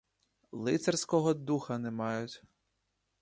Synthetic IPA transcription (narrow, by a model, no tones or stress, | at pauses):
lˠɪt̪sɛrsʲkɔɦɔd̪uxɐnɛmɑjʊtʲ